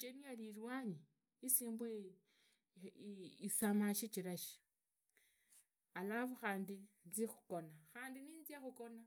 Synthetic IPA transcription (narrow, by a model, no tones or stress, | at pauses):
t͡ʃenialirwaɲi | isiːmbu | isamaʃit͡ʃiɾaʃi̥ | alaβuxaːndit͡sixuko̞naxaːndiniːnziaxuko̞na